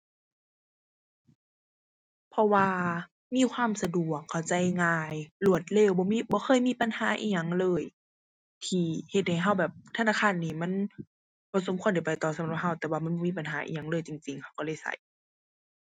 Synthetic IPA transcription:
pʰɔ˧waː˧ | miː˧˥˨kʰwaː˧˥˨msa˧du˨˩əkʰːa˨˩wt͡ɕa˧˩jŋaː˧˩jlu˧˩ət̪̚leː˧˩wbɔː˧˦miː˧˥bɔː˧˦xʰɤː˧˥˨jmiː˧˥˨pa˧˨nhaː˨˦ʔḭː˧˩ɲa˧˩ŋlɤː˧˩j | t̪ʰiː˧˩he˧t̪̚ha˨˩jɦa˧˩wbɛː˨˩p̚t̪ʰa˧naː˧˥˩kʰaː˧˥˨nːiː˧˩mɛ˧˥˨n | bɔː˧˦so˧˦mkʰu˧˨nda˧˩jpa˨˩jt̪ɔː˨˩sa˨˦˨la˧˩p̚ɦa˧˩wt̪ɛː˨˩waː˧˨ma˧˥˨bɔː˧˦miː˧˥˨pa˨nɦaː˨˦ʔḭː˧˨ɲa˧˩ŋlɤː˧˥˨jt͡ɕi˨ŋt͡ɕi˨ŋha˧˩wkɔː˧˦leː˧˥˨jsa̰˧˩j

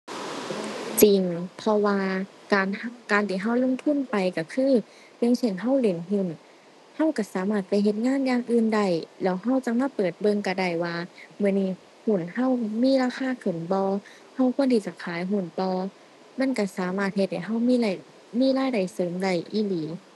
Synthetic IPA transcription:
t͡ɕi˨ŋpʰɔ˧waː˧ | kaː˨nkaː˨nt̪ʰiː˧˩ɦa˧˥˩wlo˧˥˨ŋt̪ʰu˧˥˨npa˨jka˧˩kʰɯː˧˥˨ | jŋsʰe˧˩˨nɦa˧˥˩wle˧˦nɦɯ˧˥˨n | ha˧˥˨wka˧˩saː˨˦maː˧˥˩t̪̚pa˧˦jɦe˧t̪̚ŋaː˧˥˨njaː˧˨ŋʔɯː˧˨nda˧˩jlɛː˧˥˩wɦa˧˥˩wt͡ɕa˧˦ŋ̚maː˧˥˨pɤː˨˩t̪̚bɤ˧˨ŋka˧˩da˧˩jwaː˧mɯ˧˨niː˧˩ | hu˧˩nha˧˥˨wmiː˧˥˨laː˧kʰaː˧˥˨kʰɯ˧˩nbɔː˧˦ | ha˧˥˩wkʰu˧˥˨ənt̪ʰi˧˩t͡ɕa˧˩kʰaː˨˦jɦu˧˩˨nt̪ɔː˧ | ma˧˥˨nka˧˩saː˨˦maː˧˩t̪̚he˧t̪̚ha˧˨˩jɦa˧˥˩wmiː˧˨la˧˩ | miː˧˥˨laː˧˥˨jda˨˩jsɤː˨˦mda˧˩jʔiː˧˩liː˨˦

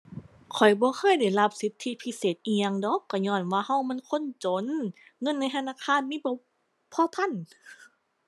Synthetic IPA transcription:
kʰɔ˨˩jbɔː˧˦kʰɤː˧˥˨jda˧˩jla˧p̚si˨˦t̪ʰːi˧˥˨pʰi˧˥˨seː˨˩t̪̚ʔiː˧ja˧ŋdɔ˧˦kːɔː˧˩ɲɔː˧˩˨nwaː˧˨ha˧˥˨wmɛ˧˥˨nkʰo˧˥˨nt͡ɕo˨˦nŋɤ˧˥˨nːa˧˥˨t̪ʰnaː˧˥˨kʰaː˧˥˨nmiː˧˨bɔ˧˦ | pʰɔ˧˨t̪ʰa˧˥˨n

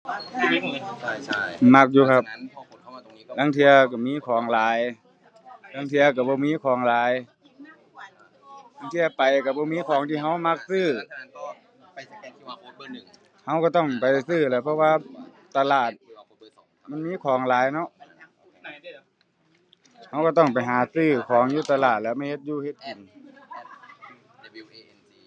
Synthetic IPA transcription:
ma˧˩k̚juː˧kʰa˧p̚ | laː˧˥ŋt̪ʰi˧ɐka˧˩miː˧˥˨kʰɔː˨˦ŋlaː˨˦j | t̪ʰaː˧˩ŋt̪ʰi˧ɐka˧˩bɔː˧˦miː˧˥˨kʰɔː˨˩˦ŋlaː˨˦j | lʰa˧˥ŋt̪ʰi˧ɐpa˨˩jka˧˩bɔː˧˦miː˧˥˨kʰɔː˨˦ŋt̪ʰiː˧ɦa˧˥˩wma˧k̚sɯː˧˥˩ | ha˧wkaː˧˩t̪ɔ˧˥˩ŋpa˨jsɯː˧˩lɤː˧˦˩pʰɔ˧waː˧ | t̪ːa˧laː˨˩t̪̚ | ma˧˥˨nmiː˧˥˨kʰɔː˨˦ŋlaː˨˦jnɔ˧˥ʔ | ha˧˥wka˧˩t̪ɔ˥˩ŋp̬a˨˩jɦaː˨˦sɯː˧˩kʰɔː˨˦ŋjuː˧˩˨t̪a˧laː˨˩t̪̚lɛː˧˥˨ma˧˥˩jhe˧t̪̚juː˧˥he˧t̪̚hi˨˩n˧

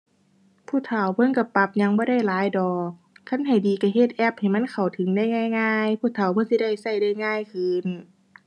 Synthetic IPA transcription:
pʰuː˧˥˨t̪ʰa˨˧˩wbɤ˧˥˨nka˧˩pa˧˩p̚ɲa˧˥ŋbɔː˧˦ɾa˥˩jlaː˨˦jdɔː˨˧˩k̚ʰː | a˧˥˨nɦa˨˩jdiː˨ka˧˩he˧t̪̚ʔɛ˧˩p̚ha˨˩jma˧˥˨nkʰa˨˩wt̪ʰɯ˨˦ŋda˧˥˩jŋaː˧˥˨jŋaː˧˥˩jpʰuː˧˥˨t̪ʰa˨˩wbɔ˧˥˨nsi˧da˧˥˩jsa˧˩jdaː˧˩˨jŋaː˧˥˨jkʰɯː˧˥n

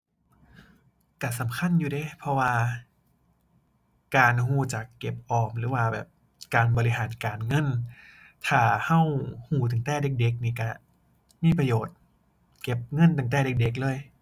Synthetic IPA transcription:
ka˧˩sa˨˦mkʰa˧˥˨njuː˧dɤː˧˥˦pʰɔ˧waː˧ | kaː˨nɦuː˧˩t͡ɕa˨˩kːe˨˩p̚ʔɔː˨˩mlɯː˨˦waː˧˩bɛ̰ː˨˩p̚ | kaː˨nbɔː˧li˧ɦaː˩˦nkaː˨˩nŋɤ˧˥˨n | t̪ʰaː˧˩ha˧˥˨whuː˧˩t̪a˨˩ŋt̪ɛː˧˩de˧˦k̚de˧˦k̚niː˧˩ka˧˩ | miː˧˥˨pa˧joː˨˩t̪̚ | ke˨˩p̚ŋɤ˧˥˨nt̪aː˨˩ŋt̪ɛː˧˩de˧˦k̚de˧˦k̬̚lɤː˧˥˨j

